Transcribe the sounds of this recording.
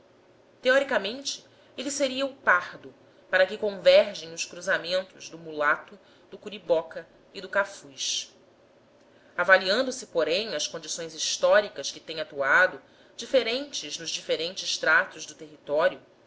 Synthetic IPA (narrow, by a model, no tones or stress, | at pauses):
t̪eɔɾikamẽnt͡ʃɪ̥ | eliseɾiɐʊpahd̪ʊ | paɾɐkɪkõvɛɾʒẽj̃ʊskɾuzamẽnt̪ʊʒd̪ʊmulat̪ʊ | d̪ʊkuɾibɔkɐ | id̪ʊkafujʃ | avaliɐ̃nd̪ʊsɪpoɾẽj̃ɐskõnd͡ʒisõj̃ziʃt̪ɔɾikɐskɪt̪ẽj̃at̪uad̪ʊ | d͡ʒifeɾẽnt͡ʃɪznʊʒd͡ʒifeɾẽnt͡ʃɪʃt̪ɾat̪ʊʒd̪ʊt̪eɦit̪ɔɾjʊ